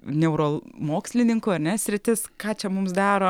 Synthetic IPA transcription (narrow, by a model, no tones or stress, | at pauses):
nʲɛʊɾoːlˠmoːksʲlʲɪnʲɪŋkʊɐɾʲnʲɛsʲɾʲɪt̪ʲɪskɑːt͡ʃʲɛmʊmsd̪ɑːɾoː